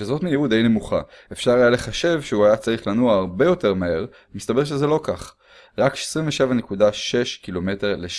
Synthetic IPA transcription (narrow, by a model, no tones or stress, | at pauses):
ʃezo̞tmijeud̪e̞jne̞muχaefʃaʁajale̞χaʃe̞vʃeuajat͡saʁiχlanuaːʁbe̞jo̞te̞ʁmae̞ʁ | mist̪abe̞ʁʃ̬ezelo̞kaχ | ʁakʃe̥sʁiɱveʃe̞vanekudaʃe̞ʃkilo̞me̞te̞ʁle